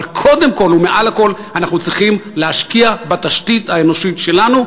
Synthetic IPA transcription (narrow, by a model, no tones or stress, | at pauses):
lkʰo̞d̪emko̞lumeʔalako̞lanaχnut͡sʁiχimleaʃkiabat̪aʃtithaeno̞ʃitʃe̞lanu